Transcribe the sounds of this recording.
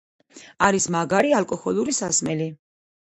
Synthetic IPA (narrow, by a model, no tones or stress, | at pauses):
aɾismaɡaɾialkʼɔxɔlˠuɾisasmɛli